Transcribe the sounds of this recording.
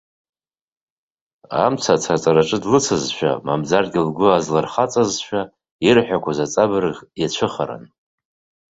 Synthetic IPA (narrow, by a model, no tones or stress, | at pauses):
a̰mt͡sʰat͡sʰat͡sʼaɾaʈ͡ʂʼɨdlɨt͡sʰazʃʷᶣa̰mamd͡zarɡʲɪlɡʷʊazlarχat͡sʼazʃᶣa | irħʷᶣakʷazat͡sʼabɨrɨʁʲjat͡ɕʷʰɨχaɾa̰n